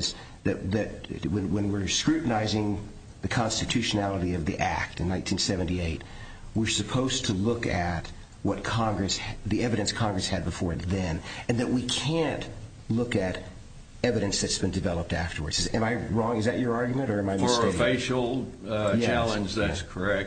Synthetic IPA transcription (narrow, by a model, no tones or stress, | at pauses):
z | ðɨʔ̚ðɨt̚wə̃nwə̃nwɪɹskɹʉʔn̩aɪzɪ̃ŋ | ðɨkʰɑ̃nstɨtʰʉʃɨnælˠəɾiʌvðiʔæ̰k̚tɨ̃nːãɪ̃ntʰĩnsɛvɨ̃ntieɪt̚ | wɪɹsɨpʰoʊz̥tʰəlʊkɨt̚ | wʌt̚kʰɑ̃ŋɡɹɨsðiɛvɨɾɨ̃nskʰɑ̃ŋɡɹɨshɨd̚bɨfɔɹɨnðɨ̃nɨ̃nðɨʔ̚wikʰæ̃nʔ | lʊkɨɾ | ɛvɨɾɨ̃nsðɨtsb̥ɨ̃ndɨvɛlˠəp̚tæftə˞wə̰˞dz̥ɨzɨ̃maɪɹɔ̃ŋɨzðɨt͡ʃə˞ɑɹɡjmɨ̃ñtə˞ɨ̃maɪməeɪfeɪʃl̩ˠjæt͡ʃælˠə̃nd͡ʒðæskʰə˞ɛk̚